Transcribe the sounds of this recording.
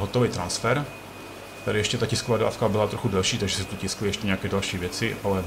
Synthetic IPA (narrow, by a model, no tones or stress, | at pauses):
ɦot̪oviːt̪ɾansfɛɾ | t̪aɾɪjɛʃcɛt̪acɪskovaːda̰ːfkabɪlat̪ɾoxudɛlʃiːt̪aɡʒɛsɛt̪ucɪsklɪjɛʃcɛɲɛakɛːdalʃiːvjɛt͡sɪʔalɛ